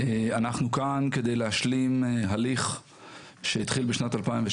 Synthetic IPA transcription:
eanaχnukanked̪ejlehaʃlimɦaliχ | ʃeit̪χilbeʃnatalpaimve

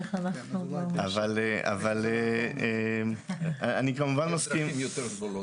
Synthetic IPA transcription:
eχanaχnuavaleʔa̰valeemaanikamuvanmaskimmjot̪

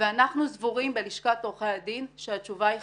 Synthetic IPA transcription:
veanaχnuzvuʁimbe̞liʃkatoʁχead̪inʃeat͡ʃuvai

